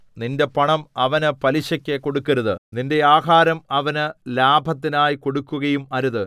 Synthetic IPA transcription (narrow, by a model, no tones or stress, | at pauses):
ninde̞pɐɳɐmɐʋɐnɨpɐliɕɐkʲːeko̞ɽukːɐɾɐðɨninde̞aːɦaːɾɐmɐʋɐnɨlaːbʱɐt̪ːinaːjiko̞ɽukːuɣɐjumɐɾuðɨ